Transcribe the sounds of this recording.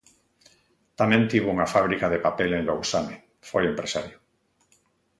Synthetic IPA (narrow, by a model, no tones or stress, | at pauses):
t̪amẽnt̪iβouŋafaβ̞ɾikaðepapelẽnlowsame | fojempɾesaɾjʊ